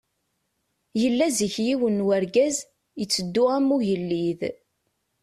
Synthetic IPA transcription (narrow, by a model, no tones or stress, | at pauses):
jəlːæziçjiwənwæɾɡæz | jət͡sːəd̪ːʊʁæmːuʝəlːið